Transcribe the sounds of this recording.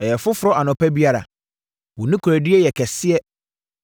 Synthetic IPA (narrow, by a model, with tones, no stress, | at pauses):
ɛ˨jɛ˨fʊ˦fʊ˦ɾɔ˦ʔa˨nʊ̃˨pɛ˦bi˦a˦ɾa̰˨ | wʊ˨nĩ˦kʰu˨ɾæ˨di˦ɛ˦jɛ˨kʰɛ˨sɪ˦ɛ˦